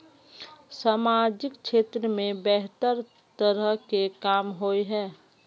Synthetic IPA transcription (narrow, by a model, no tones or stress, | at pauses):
saːmaːd͡ʒɪkt͡ʃʰeːt̪ɾəmẽbɛɦt̪əɾ | t̪əɾəɦkekaːmɦoiɦɛː